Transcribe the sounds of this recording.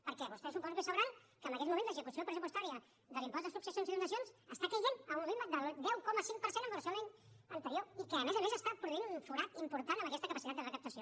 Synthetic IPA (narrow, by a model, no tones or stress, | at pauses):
pəɾkɛβust̪ɛsupɔzβesəβɾan | kəmbəkɛt̪mumẽnt̪ləzəkusiopɾəsup̬ust̪aɾiə | ðəlimpɔzðəsuksəsjonzinund̪əsjonzəst̪akəʎinəmβiməd̪əlˠd̪ɛwkɔməsiŋ̚pəɾsenəmbələsjoeɲənt̪əɾioikəːmɛzəmezəst̪apɾuðinunfuɾat̪impuɾt̪anəməkɛst̪əkəpəsit̪at̪d̪ərəkəp̚t̪əsijo